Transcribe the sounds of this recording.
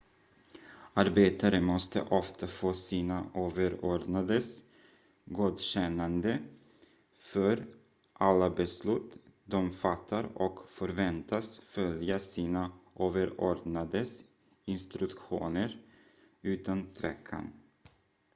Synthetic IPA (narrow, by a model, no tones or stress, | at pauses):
aɾbeːt̪aɾəmɔst̪ə̰ʔɔft̪ʰafoːsiːnaʔoːvəɾoɖnad̪əs | ɡuːd̪ɕɛnːand̪ə | fœɾ | ʔalːabɛslʉ̟ːt̪d̪ɔmfat̪ʰːaɾɔkfœɾvɛnt̪ʰasfœljasiːnaʔoːvəɾoːɖnad̪əs | ɪnst̪ɾɵkɧṵːnəɾ | ʉ̟ːt̪ant̪ʰvɛkʰːa̰n